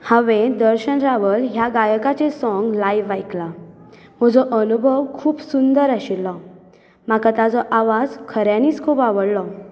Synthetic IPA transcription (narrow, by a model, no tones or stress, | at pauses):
hãʋẽd̪əɾɕənɾaʋəlɦjaɡajəkat͡sesɔŋɡlajʋajkla | m̤əd͡zɔʔənubʱəʋkʰuːpsund̪əɾaɕilːɔ | makat̪ad͡zɔʔaʋad͡zkʰəɾjãniːt͡skʰuːpaʋəɽlɔ